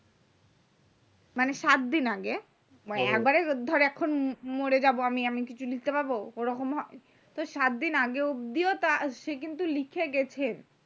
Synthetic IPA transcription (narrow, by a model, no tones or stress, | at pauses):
maneʃat̪̚d̪inaɡe | aɛk̚baɾed̪ʱɔɾeɛkʰːonmoɾed͡ʑaboamiamikit͡ɕʰulik̚t̪epaɾbooɾɔkomɦɔj | t̪oʃat̪̚d̪inaɡeod̪iot̪aʃek̬int̪ulikʰeɡɛt͡ɕʰen